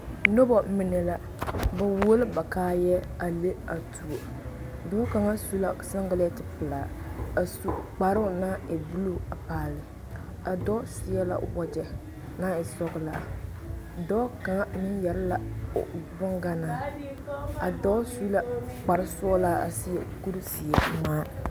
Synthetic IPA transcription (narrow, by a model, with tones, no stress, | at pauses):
no˦bɔ˨˦mɪ˨nɛ˨la˦ | ba˨wo˦o˦lɪ˦ba˨kaː˦jɛ˦ | a˨le˦a˨tʰu˨o˨ | dɔː˦ka˨ŋa˦su˦la˦sa˦ŋɡa˦lɛ˦tɪ˨pɨ˨laː˨a˨su˦k͡pa˨ɾʊ˦ʊ˨naː˦ɛ˨bu˦lu˦˨a˨paː˨lɪ˨ | a˨dɔ˦sɪ˦ɛ˦la̰˨wɔ˦d͡ʒɛ˨ | naː˦ɪ˨sɔ˦ɣɨ˦˨la˨ | dɔ˦ka˨ŋa˦mɪ˦njɛ˨ɾɪ˦la̰˨ | bʊ˦ŋɡa˦naː˨˦ | a˨dɔ˦su˦la˦k͡pa˨ɾɪ˦sɔ˦laː˦a̰˨si˦jɛ˨ku˦ɾi˦si˨ɛ˨˦maː˦